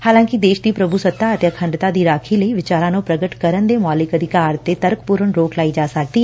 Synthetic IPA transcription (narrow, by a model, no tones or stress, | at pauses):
haːlãːŋkid̪eːʃd̪iːpɾəbʱusət̪ːaət̪eəkʰə̃ɳɖt̪aːd̪iːɾaːkʰiːləiːʋɪt͡ʃaːɾãːnõːpɾəɡəʈkəɾənd̪eːmaːlɪkəd̪ʱɪkaːɾt̪et̪əɾkpuːɾəɳɾoːklaːiːd͡ʒaːsək̚d̪iːɦɛ